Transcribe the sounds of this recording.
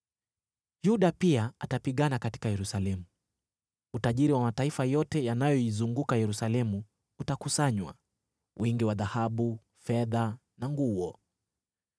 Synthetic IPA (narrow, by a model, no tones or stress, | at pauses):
juɗapiaatapiɠanakati̥kajɛɾusalɛmu | utaʄiɾiwamataifajɔtɛjanajɔizuŋɡukajɛɾusalɛmu | utakusaɲwa̰ | wʔiŋɡiwaðahaɓu | fɛða | naŋɡuɔ